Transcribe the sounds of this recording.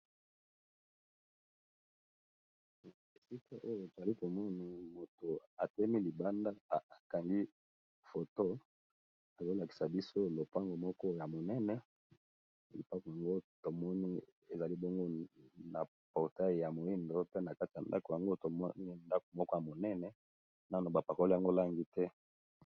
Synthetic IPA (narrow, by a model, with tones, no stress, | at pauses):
e˨si˦ka˦ʔo˦jo˨e˨za˨li˦ko˨mɔ˦na˨mo˨to˨a˨te˦mi˦li˨ba˦nda˦˨ka˨ŋɡi˦ | fo˨to˦ | a˨zo˦la˨ki̥˨sa˨bi˦so˦lo˨pa˦ŋɡo˨mɔ˦kɔ˦ja˨mo˨nɛ˦nɛ˦˨ | i˨pa˦ko˨ja˨ŋɡo˦to˨mɔ˦ni˦ | e˨za˨li˦bɔ˦ŋɡo˦na˨ | pɔ˨ʁta˦jja˨mo˨i˦ndo˦pe˦na˨ka˦ti˨ja˨nda̰˦ko˨ja˨ŋɡo˦to˨mɔ˦ni˦nda˦ko˨mɔ˦kɔ˦ja˨mo˨nɛ˦nɛ˨ | na˦˨no˨ba˨pa˨ko˦la˨ŋɡo˦la˦ŋɡi˦tɛ˦